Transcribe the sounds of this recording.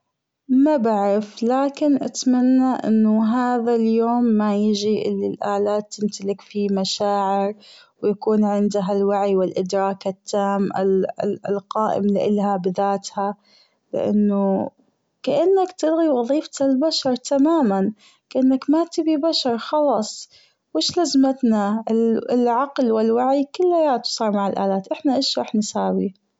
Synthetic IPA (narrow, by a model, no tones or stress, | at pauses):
mabaʕɪflaːkɪnʔat̪manːaʔɪ̰nːʊɦaːðaljoːmːajɪd͡ʒiʔɪlːilʔaːlaːt̪ːɪmt̪alɪkfimaʃaːʕɪɾ | wjakuːnʕɪnd̪aɦalwaʕiwɪlʔɪd̪ɾˤɑːkat̪ːaːmʔɪ̰lqɑːʔɪ̰mlɪʔɪlhabɪðaːt̪ha | lɪ̰ʔa̰nːʊ | kaʔɪnːakt̪ɪlɣiwɑðˤiːft̪albaʃɑɾˤt̪amaːman | kaʔɪnːakmat̪ɪbibaʃɑɾˤxɑlɑːsˤ | wɪʃlazmat̪naɪlʕɑqlwɪlwaʕikɪlːajaːt̪sˤɑːɾˤmaʕɪlʔa̰ːlaːt̪ʔɪħnaʔɪːʃɾˤɑːħnɪsaːwi